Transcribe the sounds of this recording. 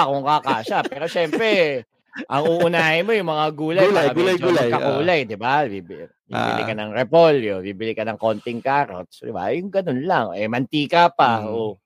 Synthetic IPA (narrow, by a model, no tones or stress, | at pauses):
kʊŋkakaːsapɛːɾo̞ʃɛmpɾɛ | ʔɐŋʊʔʊnaːhɪnmo̞jʊŋmɐŋaɡuːlɐjaɡulɐjulɐkɐkuːlɐjd̪ɪbabib | bḭbɪ̰ɪ̰kɐnɐŋɾɛpoljobibɪlɪkɐnɐŋko̞nt̪ɪŋkaːɾo̰t̪sd̪ɪ̰ba̰jʊŋɡɐnonlaŋɛmɐnt̪iːkapaʔo